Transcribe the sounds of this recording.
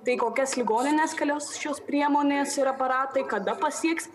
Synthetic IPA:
t̪ɐɪkoːkʲɛslʲɪɡoːnʲɪnʲeːskɐlʲoːsʃʲoːspʲɾʲiɛmoːnʲeːsɪɾɐpɐɾɑːt̪ɐɪkɐd̪ɐpɐsʲiɛks

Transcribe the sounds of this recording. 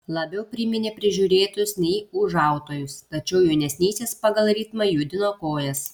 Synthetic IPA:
lˠɐbʲɛʊpʲɾʲɪmʲɪnʲeːpʲɾʲɪʒʲuːɾʲeːt̪ʊʊsnʲɛɪʊʒɑˑʊt̪oːjʊst̪ɐt͡ʃʲɛʊjɛʊnʲɛsʲnʲiːsʲeːspɐɡɐlˠɾʲiːt̪mɐjud̪ʲɪnoːkoːjɛs

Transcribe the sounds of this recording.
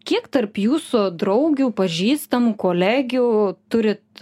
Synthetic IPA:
kʲiɛkt̪ɐrpjuːsʊd̪ɾɐʊɡʲuːpɐʒʲiːst̪ɐmukoːlʲæːɡʲuːt̪ʊɾʲɪt̪̚

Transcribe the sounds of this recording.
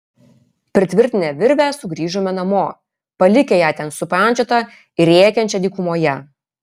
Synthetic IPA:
pʲɾʲɪt̪ʲʋʲɪɾʲt̪ʲɪnʲɛʋʲɪɾʲʋʲæːˑsʊɡɾʲiːʒomʲɛnɐmoː | pɐlʲɪkʲejæːt̪ʲɛnsʊpɑˑnʲt͡ʃʲot̪ɐ | ɪɾʲeːkʲɛnʲt͡ʃʲɛd̪ʲiːkʊmoːjɛ

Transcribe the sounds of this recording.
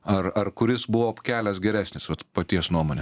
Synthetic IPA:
ɐɾɐɾkʊɾʲɪsbʊʋoːpkʲæːlʲɛsɡʲɛɾʲæːsʲnʲɪsʋɐt̪pɐt̪ʲiɛsnuɔmoːnʲe

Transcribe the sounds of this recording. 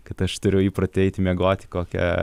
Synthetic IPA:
kɐt̪ɐʃt̪ʊɾʲʊjiːpɾɐt̪ʲɛɪt̪ʲmʲɛɡoːt̪ʲɪ̥koːkʲɛ̰

